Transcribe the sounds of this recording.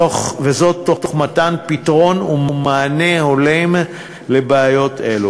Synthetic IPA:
oχvezo̞tːoχtoχmatanpitʁo̞nummaːneho̞lem | le̞beajo̞tʰe̞lu

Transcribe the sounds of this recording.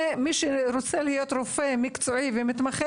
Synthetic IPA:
emiʃeɾot͡selihijo̞t̪ɾofe̞mikt͡soivemit̪maχe

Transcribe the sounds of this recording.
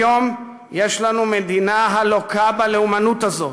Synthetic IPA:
om | jeʃlanumed̪inaɦalokabaleumanut̪azo̞

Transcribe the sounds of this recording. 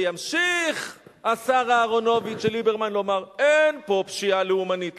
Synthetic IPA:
jamʃiχasaʁaːʁo̞no̞vit͡ʃʃelibeʁmanlo̞maʁenpo̞pʃialeumanit

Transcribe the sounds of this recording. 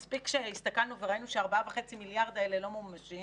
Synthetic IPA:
spikʃeist̪akalnuveʁainuʃeaʁbavaχe̞t͡similjaʁd̪elelo̞mommaʃi

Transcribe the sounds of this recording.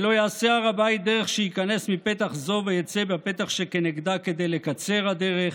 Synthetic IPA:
lo̞jaːseaʁabait̪̚d̪eʁeχʃehikane̞smipet̪aχzo̞vejat͡sebape̞t̪aχʃekeneɡd̪ake̞d̪e̞jlekat͡se̞ʁhad̪eʁeχ

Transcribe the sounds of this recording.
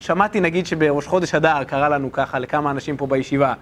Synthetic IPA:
ʃamatinaɡid̪ʃe̞be̞ʁo̞ʃχo̞de̞ʃhad̪aːʁkaʁalanukaχale̞kamaːnaʃimpo̞bajeʃiva

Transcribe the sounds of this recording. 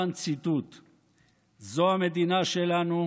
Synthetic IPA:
ant͡sit̪ut̪ | zoame̞d̪inaʃe̞lanu

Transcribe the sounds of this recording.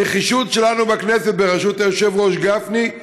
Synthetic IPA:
eχiʃut̪ʃe̞lanubakneset̪̚beʁaʃut̪ajoʃevʁo̞ʃɡafni

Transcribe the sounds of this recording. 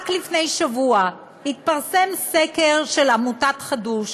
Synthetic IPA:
klifne̞jʃavua | hit̪̚paʁse̞msekeʁʃelamutatχaduʃ

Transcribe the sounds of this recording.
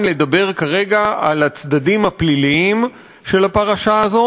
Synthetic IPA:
nle̞d̪abe̞ʁkaʁe̞ɡaalat͡sd̪adimhapliliim | ʃe̞lapaʁaʃaːzo̞

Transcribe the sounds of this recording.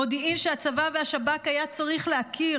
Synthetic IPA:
o̞d̪iimʃeat͡savaveaʃabakajat͡saʁiχlehakʰi

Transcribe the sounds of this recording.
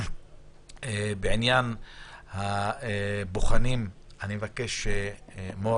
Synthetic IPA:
ebeʕinjanha | boχanim | anime̞vake̞ʃemo

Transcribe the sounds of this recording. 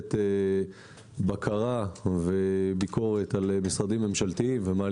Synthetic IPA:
t̪e | bakʰaʁavebikʰo̞ʁe̞t̪alemisʁad̪imːe̞mʃalt̪iimvemaːl

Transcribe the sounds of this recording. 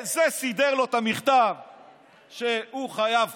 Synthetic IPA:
zesid̪eʁlo̞t̪amiχt̪av | ʃehuχajav

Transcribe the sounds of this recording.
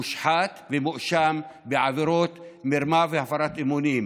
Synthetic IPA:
uʃħat̪vemuʔʃambeʕaveɾot̪meɾmavehafaɾat̪ʔemunim

